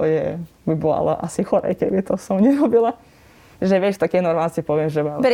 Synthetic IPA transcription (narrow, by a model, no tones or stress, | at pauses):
ɔjɛ | bibɔa̰lɔ̰ʔa̰sixɔɾɛ̰jkɛbit̪ɔsɔmɲɛɾɔbila | ʒɛʋjɛt͡ʃt̪akɛːnɔɾmanst͡sipɔʋɪɛmʒɛʋa